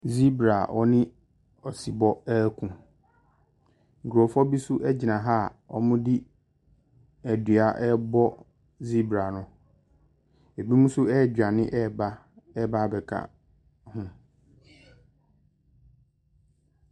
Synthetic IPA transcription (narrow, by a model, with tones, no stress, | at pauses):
zi˦bɾa˨ʔɔ˦nɪ̃˦ | ɔ˨si˨bɔ˦ɛ˦kʰũ˨ | ŋ̩˨kʰu˨ɾo˨fɔ˦bi˦sʊ˦ʔɛ˦d͡ʑi˨nã˨ɦa˦˨ɔ̰˦mʊ̃˦di˦ | æ˨dɥa˨ʔɛ˦bɔ˦ | zi˦bɾa˨nʊ̃˦ | e˨bi˦mũ˦sʊ˦ɛ˦˨d͡ʑᶣa˨nɪ̃˦ʔɛ˦˨ba˦ | ɛ˦ba˦bɛ˨kʰa̰˨ | hʊ̃˦